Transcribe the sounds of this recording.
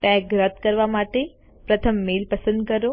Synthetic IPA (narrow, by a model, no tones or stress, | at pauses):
ʈɛ̃kɾət̪kəɾʋamaʈe | pɾət̪ʰəmːelpəsə̃nd̪kəɾo